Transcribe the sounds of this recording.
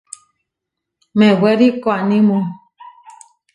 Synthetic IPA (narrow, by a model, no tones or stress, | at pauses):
mẽweɾikoanĩmũ